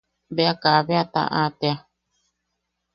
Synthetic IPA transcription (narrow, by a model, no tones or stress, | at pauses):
beakaβeat̪a̰ʔat̪ea